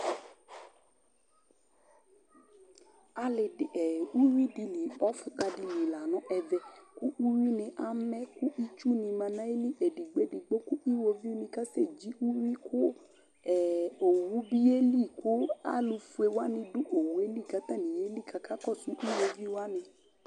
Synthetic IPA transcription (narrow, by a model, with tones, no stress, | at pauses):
a˧lɪ˨ɛ˨u˦wi˦di˧li˨ɔ˦fu˧ta˧di˧li˨la˨nɔ̃˨ʔɛ˧vɛ˧ku˦ʔu˦wi˦nɪ̃˧ʔa˦mɛ˦ku˦ʔi˦t͡ʃu˦nĩ˧mã˧nã˦i˦li˦ʔe˨di˨ɡ͡be˦di˨ɡ͡bo˦ku˦ʔi˦wo˧vi˦u˦nĩ˧ka˦se˦˨d͡ʒi˨˦ʔu˦wi˦kʰʊ˦ | ɛ˨o˨wu˨˦bi˦e˦li˦˨ku˦a̰˦lu˧fu˧e˧wa˦nɪ̃˧du˦ʔo˨wu˨e˦li˦˨ka˨˦t̪a˦˨nĩ˨je˦li˦˨kʰa˨ka˦kɔ˦˨su˨˦ʔi˦wo˧vi˦wa˦nɪ̃˧